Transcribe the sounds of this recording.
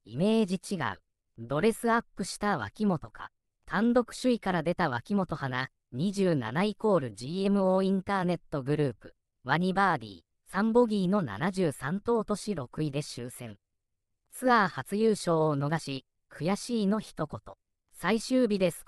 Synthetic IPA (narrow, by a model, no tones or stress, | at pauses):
ime̞ːd͡ʑit͡ɕiɡa̰ɯ̟ | d̪o̞ɾe̞sɨapːɯ̟ɕi̥t̪aβ̞a̰kʲimo̞t̪o̞kʰa̰ | t̪ʰãnd̪o̞kɯ̟̥ɕɨikaɾad̪e̞t̪aβ̞akʲimo̞t̪o̞hana | ɲ̟iʑɨːna̰naiko̞ːɾɯ̟d͡ʑiːe̞mɯ̟o̞ːĩnt̪aːne̞t̪ːo̞ɡɯ̟ɾɯːpɯ̟̥ | βaɲ̟ibaːɾʲḭː | sãmbo̞ɡʲiːno̞na̰naʑɨːsãnt̪o̞ːt̪o̞ɕiɾo̞kɯ̟id̪e̞ɕɨːsẽ̞ŋ | t͡sɨahat͡sɨjɯːɕo̞ːno̞ɡaɕi | kʰɯ̟jaɕiːno̞çi̥t̪o̞ko̞t̪o̞ | saiɕɨːbʲid̪e̞sɨ̥